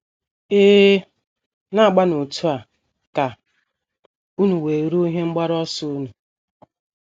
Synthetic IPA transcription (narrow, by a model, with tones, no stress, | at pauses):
eː˦ | na˦a˨ɡ͡ba˦nʊ˨tu˦a˨ | ka˨ | u˦nu˨we˨ɾu˦ɦe˦ŋ͡m̩˦ɡ͡ba˦ɾɔ˦sʊ˦u˦nu˨